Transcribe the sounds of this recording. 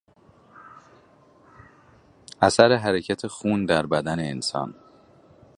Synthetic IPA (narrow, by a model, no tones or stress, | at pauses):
ʔæsæɾeɦæɾecʰæt̪ʰe̞xuːnd̪æɾbæd̪æne̞ːnsɒ̰ːn